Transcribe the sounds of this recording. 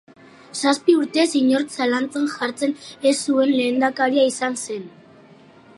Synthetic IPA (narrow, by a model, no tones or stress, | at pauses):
saspiuɾt̪e̞siɲo̞ɾt͡salant͡senʝaɾt͡se̞nesːue̞nle̞ːnd̪akaɾiaisanse̞n